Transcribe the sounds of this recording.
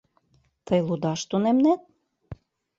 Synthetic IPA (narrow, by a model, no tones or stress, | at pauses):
t̪ɤjlˠud̪ɑʃt̪onemnet̪̚